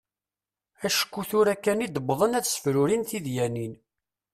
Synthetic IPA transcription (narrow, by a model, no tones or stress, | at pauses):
æʃə̥kːuθʊɾækːænid̪əbðˤənæθsə̥fɾuɾinθiðjænin